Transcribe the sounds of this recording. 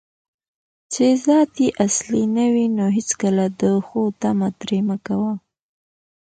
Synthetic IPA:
t͡ʃezɑt̪iʔaslinəwinoɦɪt͡skəlad̪əxot̪amat̪ɾemakawa

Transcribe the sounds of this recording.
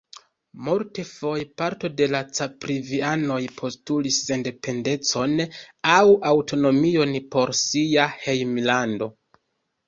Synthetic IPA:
multe̞fo̞jepaɾto̞de̞lat͡sapɾiviano̞jpʰo̞stulisːe̞nde̞pe̞nde̞t͡so̞nawawto̞no̞mio̞npo̞ɾsiahejmlando̞

